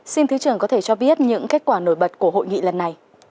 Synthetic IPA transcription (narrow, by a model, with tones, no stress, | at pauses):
si˧nt̪ʰɨ˨˦t͡ɕɨ˧˩əŋkɔ˨˦t̪ʰe˧˩t͡ɕɔ˧ɓi˦˥ət̚ɲɨ̰˧˥ŋke˦˥k̚kwaː˧˩no˧˩jɓə˨˩t̚ku˧˩əɦo̰˧˨jŋḭ˧˨lə˨˩nːa˨˩j